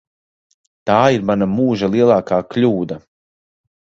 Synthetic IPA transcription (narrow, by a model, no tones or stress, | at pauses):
t̪aːiɾmanamuːʒalˠiɛlˠaːkaːklʲuːd̪a